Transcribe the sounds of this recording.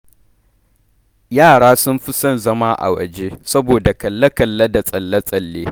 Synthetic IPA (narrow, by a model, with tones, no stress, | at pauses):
jaː˦˨ɽaː˦sʊ˦mɸɪ˦sɐ˦˨nzɐ˦maː˦ʔa̰˨wɐ̰˨d͡ʒe˦sɐ˦boː˨da˨kɐ˨lːɐ˦kɐ˨lːɐ˦da˨sʼɐ˨lːɐ˦sʼɐ˨lːeː˦